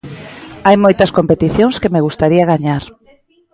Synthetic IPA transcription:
ajmojt̪ɐskompet̪iθjoŋskemeɣust̪aɾiɐɣaɲaɾ

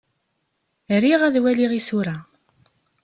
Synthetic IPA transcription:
ɾiʁæðwæliʁisuɾa

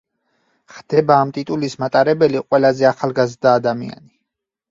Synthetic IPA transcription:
χd̪̥ɛbaːmt̪ʼit̪ʼulismat̪ʼaɾɛbɛliqʼwɛlazɛaχalˠɡazɾd̪aːd̪amḭa̰ni

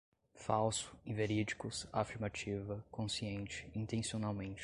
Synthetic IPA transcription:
fawsʊ̥ĩveɾid͡ʒikʊsafiɾmat͡ʃivɐkõsiẽnt͡ʃɪ̥ĩnt̪ẽsionawmẽnt͡ʃ

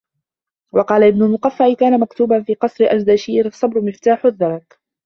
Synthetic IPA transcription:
wɑqɑːlaʔɪbnʊlmʊqafːaʔɪkaːnamakt̪uːbanfiːqɑsˤɾɪʔad͡ʒd̪aʃiːɾɑsˤːɑbɾʊmɪft̪aːħʊðːɑɾˤɑk

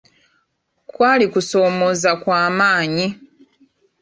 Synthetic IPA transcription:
kwaːlikuso̞ːmo̞zakwaːmaːɲi

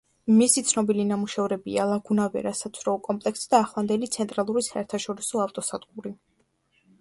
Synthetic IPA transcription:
misit̪sʰnɔbilinamuʃɛvɾɛbḭalˠaɡunavɛ̰ɾasat̪sʰɾɔɔkʼɔmpʼlɛksd̪aːχlˠand̪ɛlit̪sʰɛnt̪ʼɾalˠuɾisaɛɾt̪ʰaʃɔɾisɔaft̪ʼɔsad̪̥ɡuɾi

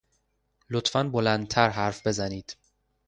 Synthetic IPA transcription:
lot̪ʰfænbolænd̪̚t̪ʰæɾɦæɾfbe̞zæniːd̪̥

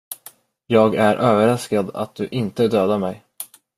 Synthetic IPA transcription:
jɑːɡæɾʔøːvəɾaskad̪a̰t̪̚d̪ɵʔɪnt̪əd̪øːd̪amɛj

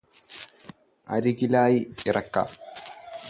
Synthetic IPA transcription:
ʔɐ̰ɾɪɡɪlaːjɪɾɐkːa̰ː

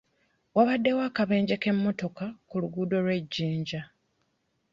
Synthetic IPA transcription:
waβadːe̞waːkaβe̞ːɲɟe̞ke̞mːo̞to̞kakuluɡuːdo̞lwe̞ɟːiːɲɟa

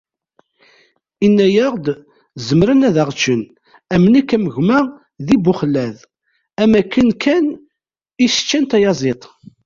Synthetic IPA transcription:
inːæjəʁd̪ | zəmɾənæðæʁt͡ʃːən | æmənækːæməʝmæ | ðibʊχlæð | æmækːənkʰːæn | isə̥t͡ʃːænt̪æjɑzˤet̪ˤ

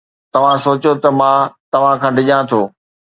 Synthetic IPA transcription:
t̪ɐʋ̤ãsoːt͡ɕot̪ɐmãːt̪ɐʋ̤ãkʰãːɖʱɪʄãt̪ʰoː

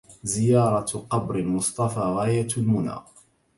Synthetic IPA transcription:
zɪjɑːɾˤɑqɑbɾɪlmʊsˤt̪ˤɑfaːɣaːjat̪lmʊna̰ː

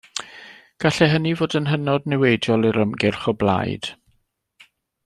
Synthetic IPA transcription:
ɡ̥aɬɛɦənivoːdənɦənɔdnɛwejdjɔlˠiɾəmɡɪrχɔblˠa̰jd̥

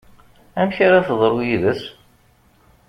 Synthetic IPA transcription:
æmçaɾaθəðˤɾˤujiðəs

